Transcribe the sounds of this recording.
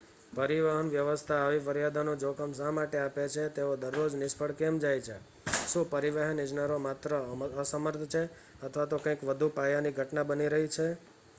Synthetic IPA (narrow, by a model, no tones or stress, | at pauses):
pəɾiʋaɦənʋjəʋəst̪ʰaːʋifəɾjad̪ʱanũd͡ʒokəmsãmaʈeapet͡ʃʰet̪eod̪əɾːod͡ʒnɪʃpʰəɽkemd͡ʒajt͡ʃʰe | ʃũpəɾiʋəɦənɪd͡ʒnəɾomat̪ɾəəsəməɾt̪ʰt͡ʃʰe | ət̪ʰʋat̪okə̃ĩkʋəd̪ʱupajaniɡʱəʈnabəniɾəɦit͡ʃʰe